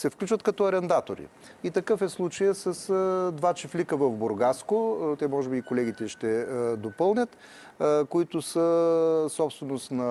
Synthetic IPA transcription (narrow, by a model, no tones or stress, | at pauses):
sɛfklʲut͡ʃvət̪kɐt̪ɔɐɾɛnd̪at̪oɾḭ | it̪ɐkɤfɛslˠut͡ʃəjəsɐsd̪vat͡ʃiflikəvɐvboɾɡaskʊt̪ɛmɔʒɛbiːkolɛɡʲit̪ɛʃt̪ɛd̪opɤlˠnʲət̪ | koit̪ʊsəsɔpst̪vɛnost̪nɐ